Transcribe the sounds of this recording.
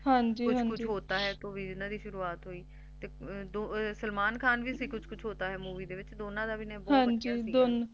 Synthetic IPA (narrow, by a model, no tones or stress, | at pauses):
ɦãɲd͡ʒiːkʊɦkʊt͡ʃd͡ʒʰɦoːt̪aːɦɛːt̪oːʋiːɪnãːd̪iːʃʊɾuːaːt̪ɦoːiː | t̪eːd̪osəlmaːnkʰaːnʋiːsiːkʊt͡ʃʰkʊt͡ʃʰɦoːt̪aːɦɛːmuːʋiːd̪eːʋɪt͡ʃd̪oːnãːd̪aːʋiːnɛ̃ːbɔɦãɲd͡ʒiːsid̪on